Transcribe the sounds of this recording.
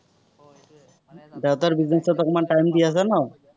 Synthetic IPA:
dewt̪aɾbiznesɔt̪ɔkɔmaʈajmd̪ias̬ana

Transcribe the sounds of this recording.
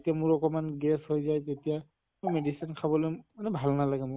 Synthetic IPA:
tijamʊɹɔkɔmanɡɛshojzajtetija | mojmedisinkʰabɔlojmanɛbʱalnalaɡɛmʊ

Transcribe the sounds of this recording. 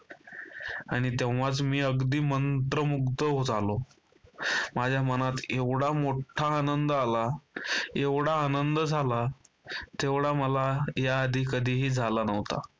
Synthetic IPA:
aɽ̃it̪eʋʋat͡smiːəɡd̪iːmənt̪ɾəmuɡt̪əɦod͡zʱalo | mad͡ʑʱjamənat̪eʋɽamoʈʰaːnənd̪əala | eʋɽaːnənd̪əd͡zʱala | t̪eʋɽaməlajaːd̪ʱiːkəd̪ʱiːɦiːd͡zʱalanəʋt̪a̰

